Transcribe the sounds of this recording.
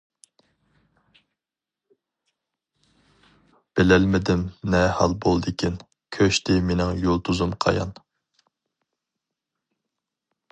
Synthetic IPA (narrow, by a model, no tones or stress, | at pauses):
b̥ɪlɛlmɪd̪ɪmnɛhɑlˠbolˠd̪ɪkʲʰin | kʲʰøʃt̪ɪmenɪŋjolˠt̪ʰuzumqʰɑ̰jɑ̰n